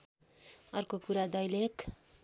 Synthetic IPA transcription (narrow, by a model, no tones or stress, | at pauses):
ʌrkokuɾad̪ʌjlek